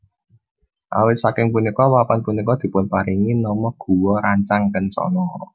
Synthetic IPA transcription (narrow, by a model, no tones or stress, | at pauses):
ʔa̰wɪt̪̚sakɪŋpunikɔwapanpunikɔd̪̥i̤pʊnpaɾiŋinɔmɔɡ̥ṳwɔɾaɲt͡ʃaŋkənt͡ʃɔ̰nɔ